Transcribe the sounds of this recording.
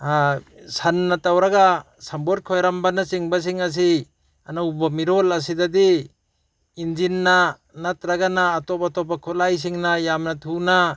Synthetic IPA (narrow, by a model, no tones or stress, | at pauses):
asanːatawɾaɡa | sambɔt̚kʰɔjɾambanasiŋbas̬iŋas̬i | anaubamiɾolas̬id̪ad̪i | ind͡ʒinːa | nat̪ɾaɡanaːtɔpatɔpakʰulajs̬iŋnajamnatʰuna